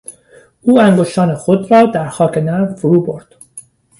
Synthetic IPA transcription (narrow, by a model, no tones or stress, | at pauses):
ʔuːæŋɡo̞ʃt̪ɒːne̞xod̪ɾɒːd̪æɾxɒːkʰe̞næɾfoɾuːbo̞ɾd̪̥